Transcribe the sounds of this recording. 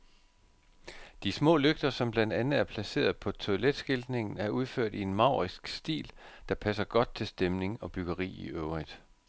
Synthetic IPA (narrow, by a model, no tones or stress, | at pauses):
d̥ismɔ̰̽ːløɡ̥̚d̥ɐsɒ̽mb̥lænd̥ænð̩ˠæɐpʰlæse̝̰ːɐðˠpʰɒ̽t͡sʰo̝led̥sɡ̥ild̥ne̝ŋn̩æɐʔuð̞ˠføɐ̰d̥ie̝nmɑ̈ʊ̰ʁisɡ̥sd̥ḭːld̥ɑ̈pʰæs̬ɐɡ̥ɒ̽d̥̚t͡sʰe̝lsd̥emne̝ŋɒ̽b̥yɡ̥ɐʁḭːiʔøʊʁid̥